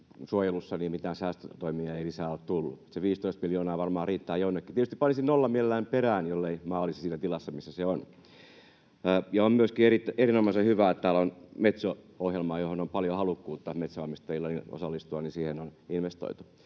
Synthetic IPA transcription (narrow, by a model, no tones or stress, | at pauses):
suojelusːɑniːmmit̪æːnsæːst̪øt̪oimiɑeilisæːoltt̪ulːṵut̪seʋiːst̪oist̪miljoːnɑːʋɑrmɑːriːt̪ːɑːjonːekːit̪etyst̪ipɑnisinnolːɑmielelːæimperæːnjolːeimɑːlːisisiːnæt̪ilɑsːɑmisːæseon | jɑommyøskierit̪ːæerinomɑisehyʋæːˑett̪æːlonmet̪so | ohjelmɑːjohonompɑljohɑlukːuːt̪ːɑmet̪soɑmːist̪ɑjilːɑnio̰sɑlːist̪uɑnisiːhenoninʋest̪o̰it̪u